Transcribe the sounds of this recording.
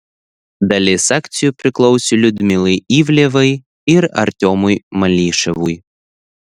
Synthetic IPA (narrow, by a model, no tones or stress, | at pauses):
d̪ɐlʲesakt̪sʲjupʲɾʲɪklˠɔwsʲelʲʊd̪ʲmʲilˠɐjivʲlʲeʋɐj | ɪɾɐ̰ɾʲt̪ʲɔmʊjmɐlʲiʃɛʋuj